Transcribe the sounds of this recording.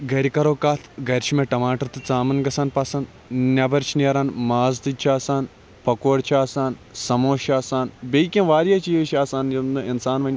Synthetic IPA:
ɡɐɾʲikɐɾoːkaːt̪ʰɡɐɾʲt͡ʃʰimeʈɐmaːʈɐɾt̪ɨt͡saːmɐnɡɐsaːnpɐsɐnd̪ | nʲɐbɐɾt͡ʃʰiniɾaːnmaːzd̪ɨt͡ʃʰaːsaːn | pɐkoːɽʲt͡ʃʰaːsaːnsɐmoːʃaːsaːnbʲejkʲɐ̃nʋaːɾjaːt͡ʃijʋʃaːsaːnjɐmd̪ɨinsaːnʋɐnʲ

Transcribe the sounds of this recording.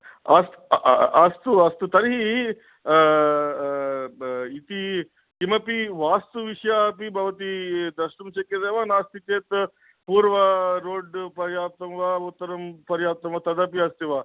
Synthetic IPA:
ɐst̪ɐst̪uɐst̪ut̪ɐɾɦi | it̪i | kimɐpiʋaːst̪uʋiʂjapibʱaʋɐt̪id̪ɐʃʈɐmʃekːed̪eʋaːnaːst̪it̪eːt̪ | puːɾʋɐɾoːɖpɐɾjaːt̪ɐmʋaut̪ːɐɾɐmpɐɾjaːp̚t̪ɐmʋat̪ɐd̪apiɐst̪iʋaː

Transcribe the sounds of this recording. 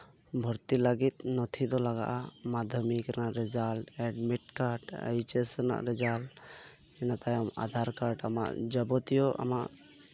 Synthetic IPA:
bʱɔɾt̪ilaɡit̪̚nɔt̪ʰid̪ɔlaɡa̰ʔamad̪ʱjɔmikɾnaʔɾɛd͡ʒalʈɛɖmiʈ̚kaɾʈa̰jt͡ʃɛsna̰ʔɾɛd͡ʒal | ɛnat̪ajɔma̰d̪ʱaɾkaɾʈa̰ma̰ʔd͡ʒɔbɔt̪ijɔʔa̰maʔ

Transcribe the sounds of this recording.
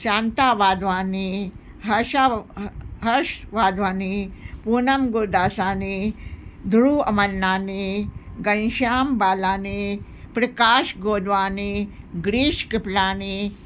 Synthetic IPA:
ʃaːnt̪aːʋaːd̪ʋaːni | ɦɐʃa | ɦɐʃʋaːd̪ʋaːnipuːnɐmɡud̪aːsaːni | d̪ʱuɾuɐmɐnːaːniɡɐnʃaːmbaːlaːni | pɾɐkaːʃɡoːd̪ʋaːni | ɡɾiːʃkiplaːni

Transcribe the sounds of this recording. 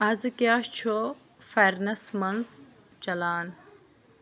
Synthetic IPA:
ɐzɨkjaːʃt͡ʃʰo | feɾnɐsmɐns | t͡ʃɐlaːn

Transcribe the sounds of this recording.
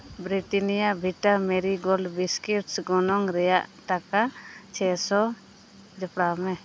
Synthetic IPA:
bɾiʈinijabʱiʈamɛɾiɡɔlbiskiʈsɡɔnɔŋɾɛjaʔt̪akat͡ʃʰɛsɔ | d͡ʒɔpɽamɛ

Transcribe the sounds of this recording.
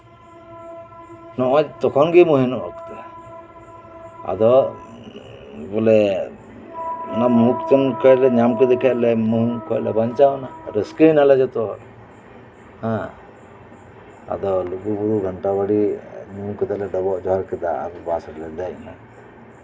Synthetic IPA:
nɔʔɔ̃t͡ʃt̪ɔkʰɔnɡimuɦinɔʔɔ̰kt̪ɛ | a̰d̪ɔ | bɔlɛ | namukt̪ɔnkɔjlɛɲamkɛd̪ɛkʰɛlɛmuɦukɔlɛ̰baɲt͡ʃanaɾɔskɾinalɛd͡ʒɔt̪ɔ | hã | a̰d̪ɔluɡubuɾuɡʱaɳʈabaɽiɲukɛd̪alɛɖɔbɔʔd͡ʒɔɦaɾkɛd̪a̰a̰ɾbasɔɾlɛd̪ajna

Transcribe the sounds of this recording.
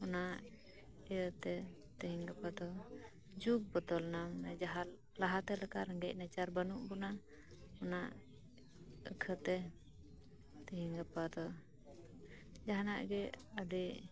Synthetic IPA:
ɔnaʔ | ɛjət̪ɛ | t̪əɦiŋɡapad̪ɔ | d͡ʒuɡ̚bɔt̪ɔlnamnɛd͡ʒaɦal | laɦat̪ɛləkaɾəŋɡɛc̚nat͡ʃaɾbənuʔbɔna | ɔnaʔ | əkʰət̪ɛ | t̪əɦiŋɡapad̪ɔ | d͡ʒaɦanaʔɡɛadɛ

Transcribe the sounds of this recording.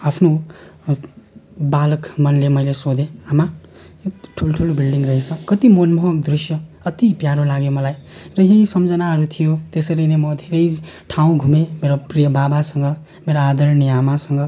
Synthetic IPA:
apʰno | balʌkmʌnlemʌjlesod̪ʱẽama | ekʈʰulʈʰulobilɖiŋɡrʌɦet͡sʰʌkʌt̪imonmʌɦʌk̚d̪risjʌ | ʌt̪ipjaɾolaɡjomʌlajrʌɦẽĩsʌmd͡zʌnaɦʌɾut̪ʰijot̪esʌɾinemʌd̪ʱeɾʌjʈʰaw̃ɡʱumemeɾoprijʌbabasʌŋɡʌ | meɾaad̪ʌɾniamasʌŋɡʌ

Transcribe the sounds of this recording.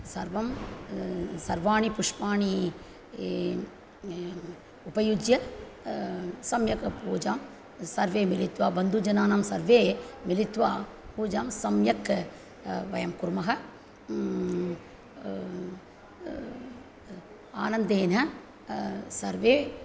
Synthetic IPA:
sɐɾʋɐm | sɐɾʋaːɳipʊʂpaːɳi | upɐjud͡ʒjɐ | sɐmjɐkpuːd͡ʒaːm | sɐɾʋeːmɪlɪt̪ʋaːbɐnd̪ud͡ʒɐnaːnaːmsɐɾʋeːmɪlɪt̪ːʋaː | puːd͡ʒaːmsɐmjɐkː | ʋɐ̰jɐmkʊɾmɐɦɐ | a̰ːnɐnd̪eːnɐ | sɐɾʋeː

